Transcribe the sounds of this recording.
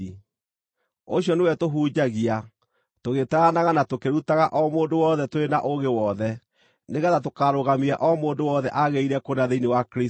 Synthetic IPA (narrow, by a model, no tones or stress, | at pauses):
oɕjɔnewɛtoɦuːd͡ʑaɣia | toɣetaanaɣanatokeɾutaɣaʔɔmoːndowɔðɛtoɾenaʔoɣewɔðɛ | neɣɛðatokaɾoɣamiaʔɔmoːndowɔðɛʔaɣeiɾɛkonaðeinewakɾe